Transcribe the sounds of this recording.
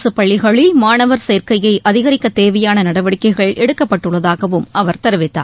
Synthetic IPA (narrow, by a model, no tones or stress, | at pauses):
sɯpɐɭːɪɣɐɭɪlmaːnɐʋɐɾseːɾkɐjɐɪʔɐðɪɣɐɾɪkːɐt̪eːʋɐjaːnɐnɐɽɐʋɐɽɪkːɐɪɣɐɭʔɛɽɯkːɐpːɐʈːɯɭːɐðaːɣɐʋɯmʔɐʋɐɾt̪ɐɾɯʋɪt̪ːa̰ː